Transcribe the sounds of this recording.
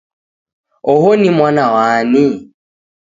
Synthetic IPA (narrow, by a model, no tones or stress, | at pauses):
ʊhonɪmwanawaːnɪ